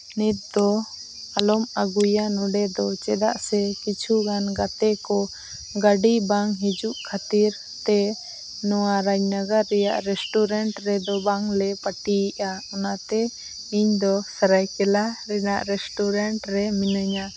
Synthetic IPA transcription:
nit̪̚d̪ɔ | alɔmaɡujanɔɖɛd̪ɔt͡ʃɛd̪aʔsɛkit͡ʃʰuɡanɡat̪ɛkɔ | ɡaɖibaŋɦid͡ʒuʔkʰat̪iɾ | t̪ɛ | nɔwaɾaɲnaɡaɾːɛja̰ʔɾɛsʈuɾɛɳʈɾɛd̪ɔbaŋlɛpaʈiiʔaɔnat̪ɛ | iɲd̪ɔsaɾajkɛlaɾɛna̰ʔɾɛsʈuɾaɳʈɾɛminəɲa

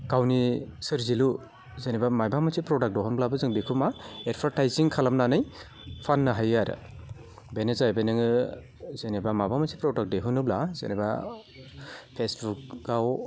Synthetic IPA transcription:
kawnisɯɾzilu | zenibamajbʱamasʰipɾɔdak̚dɔɦɔnblabɯzɯŋbikʰumaeɾpʰaɾtajziŋkʰalamnanɯj | pʰanːaɦajaɾɯ̰ | benezajbenɯŋɯ | zenebamabamasʰipɾɔdak̚deɦunɯblazḛneba̰ | pʰesbuk̚ɡaw

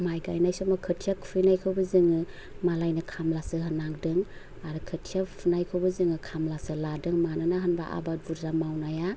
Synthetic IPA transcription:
majɡajnajsɔmakʰɯtʰijakpʰɯnajkʰɯwbɯzɯŋɯ | malajnɯkʰamlasɯɦɯnaŋdɯŋ | aɾɯkʰɯtʰijapʰɯnajkʰɯwbɯzɯŋɯkʰamlasɯladɯŋmanɯnaɦɯnbaʔa̰babuɾzamawnaja

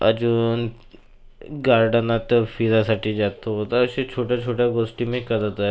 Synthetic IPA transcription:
əd͡ʑuːn | ɡaɾɖənat̪əfiɾasaʈʰiːd͡zat̪oɦot̪əəɕet͡ɕʰoʈjat͡ɕʰoʈjaɡosʈiːmekəd̪ət̪a

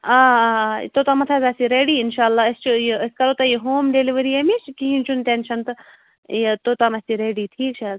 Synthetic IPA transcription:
a̰ːt̪ot̪amɐt̪ʰaːzasiɾeːɖiːɪnʃaːlːaːəst͡ʃujiəskɐɾoːt̪ajiɦoːmɖeliʋəɾiːemit͡ʃkiɦĩnt͡ʃunt̪eːnʃɐnt̪ | t̪oːt̪amɐsiɾeːɖiːʈʰiːkt͡ʃʰa

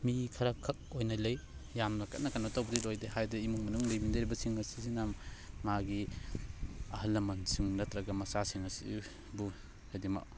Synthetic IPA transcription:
mikʰɐɾɐkʰɐk̚ojnɐlɐjjamnɐkʰɐ̰t̚nɐkanotawbɐdilojdehajdɐimuŋmɐnuŋlejbindɐɾibɐsiŋɐsisinamːaɡi | ɐhɐlːɐmɐnsiŋnɐtɾɐɡɐmɐsasiŋɐsi | bu | hadimɐ̰k̚

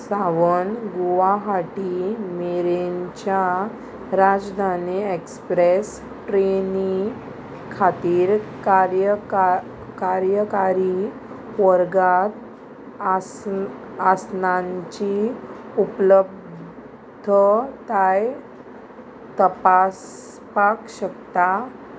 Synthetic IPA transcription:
saʋənɡuʋaɦaʈimeɾeɲt͡ɕja | ɾad͡zd̪ʱaniekspɾes | ʈɾeni | kʰat̪iːɾkaɾjə | kaɾjəkaɾi | ʋəɾɡat̪ | asnaɲt͡ɕi | upləb̚ | d̪ʱət̪aj | t̪əpas | pakɕəkt̪a

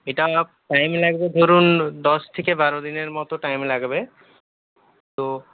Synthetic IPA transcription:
eʈaoap̚ʈajmlaɡbed̪ʱoɾund̪ɔst̪ʰekebaɾod̪ineɾmɔt̪oʈajmlaɡbe | t̪o

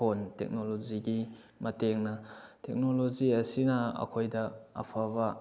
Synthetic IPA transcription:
ontḛk̚noloziɡi | mɐteŋnɐtek̚nɔloziɐsinɐɐ̰kʰojdɐɐ̰pʰaβa

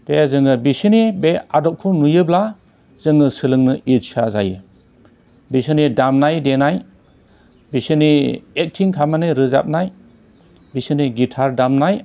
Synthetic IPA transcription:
tezɯŋɯbisinibeadɔp̚kʰunujɯbla | zɯŋɯsɯlɯŋnɯʔitsʰaza̰jɯ | bisinidamnajdenaj | bisiniek̚tʰiŋkʰamanɯɾɯza̰p̚naj | bisiniɡitʰaɾdamnaj

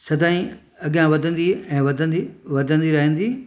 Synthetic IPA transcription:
sɐd̪aːĩ | ɐɡjãʋɐd̪ə̃nd̪iɛ̃ːʋɐd̪ə̃niʋɐd̪ʱə̃nd̪iɾɐɦə̃n̆d̪iː

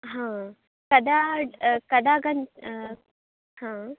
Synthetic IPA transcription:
ɦã | kɐd̪akɐd̪aɡɐn | hã

